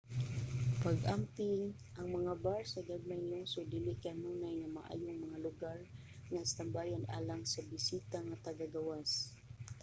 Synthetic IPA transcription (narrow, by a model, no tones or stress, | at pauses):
paɡamt̪ɪŋ | ʔɐŋmɐŋabaɹsaɡaɡ̚majnloŋsʊd̪ilɪkaanunajŋama̰ʔa̰ːjʊŋmɐŋalʊɡaɹ | ŋast̪ambajana̰ːlaŋsabɪsit̪aŋat̪aɡaɡawas